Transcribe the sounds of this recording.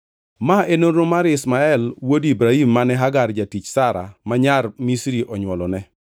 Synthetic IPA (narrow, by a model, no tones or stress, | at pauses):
maenoɾomaɾɪsmaɛlwodibɾaimːanɛɦaɡard͡ʒatit͡ʃsaɾa̰maɲarmisɾiʔɔɲwɔlɔnɛ